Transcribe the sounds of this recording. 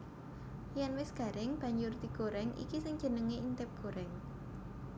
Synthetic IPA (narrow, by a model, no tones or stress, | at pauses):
janwɪsɡ̥a̤ɾɪŋb̥ä̤ɲd͡ʒʊrd̪iɡ̥oɾɛŋḭkisɪŋ̥ʒ̥ə̤nəŋeint̪ɪp̚ɡ̥o̤ɾɛŋ